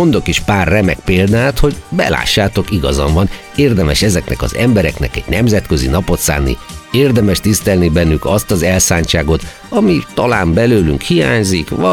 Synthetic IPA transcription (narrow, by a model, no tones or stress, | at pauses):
o̞nd̪o̞kiʃpaːrːɛmɛk̚peːld̪aːt̪ho̞ɟbɛ̰la̰ːʃːaːt̪o̞kiɡɒzɒɱvɒn | eːrd̪ɛmɛʃɛzɛknɛ̰kɒ̰zɛmbɛɾɛknɛ̰kɛɟ̥nɛmzɛt̪køzḭnɒpo̞t̪sa̰ːnːḭeːrd̪ɛmɛʃt̪ist̪ɛlnibɛnːykɒst̪ɒzɛlsaːɲt͡ʃaːɡo̞t̪ | ɒmit̪ɒlaːmbɛløːlyŋkhijaːɲzikʋɒ